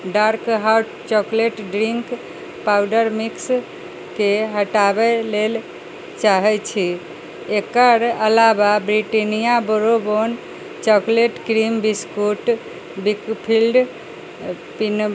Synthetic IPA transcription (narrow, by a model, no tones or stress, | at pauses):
ɖaɾkɦawʈt͡ʃɔkleʈɖɾiŋk | pawɖəɾmiks | keɦəʈabɛlel | t͡ʃaɦɛt͡ʃʰi | ekəɾəlababɾiʈinijaboɾobon | t͡ʃɔkleʈkɾimbiskuʈ | bikpʰilɖ | pin